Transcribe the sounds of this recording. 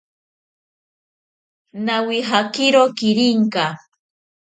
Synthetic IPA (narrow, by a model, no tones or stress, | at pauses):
nawiɦakɪɾokɪɾɪŋka